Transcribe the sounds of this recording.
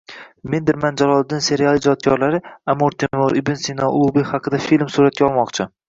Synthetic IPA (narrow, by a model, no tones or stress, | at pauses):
me̞nd̪ɪɾmand͡ʒalˠɒlˠd̪ɪnse̞ɾialˠɪd͡ʒɒt̪̚kʲʰɒɾlaɾɪamoɾt̪ʰɪoɾibensinɒ̰lˠubɪhɑqʰɨd̪afilmsuɾat̪̚kʲaɒlˠmɒqt͡ʃʰɪ